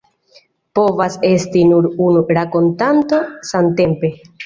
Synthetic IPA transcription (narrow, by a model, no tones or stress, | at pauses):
po̞vase̞stinuɾunuɾako̞ntanto̞sante̞mpe̞